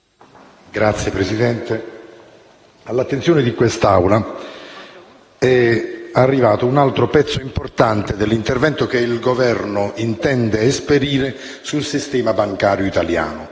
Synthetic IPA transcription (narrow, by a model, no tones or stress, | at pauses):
ɡɾat̪sːjepɾesid̪ɛnt̪e | alːat̪ːensjoːnɪd̪ikwest̪awla | ɛarːivaːt̪ounalt̪ɾopɛt̪sːoimport̪ant̪ed̪elːint̪ervɛnt̪okeilɡovɛrnoint̪ɛnd̪eespeɾiːɾe | sulsist̪ɛːmabaŋkaːɾjoit̪alja̰ːnʊ